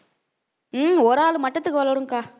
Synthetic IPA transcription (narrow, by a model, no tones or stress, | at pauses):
ɔɾaːɭɯmɐʈːɐt̪ːɯkːɯʋɐɭːɐɾɯŋkaː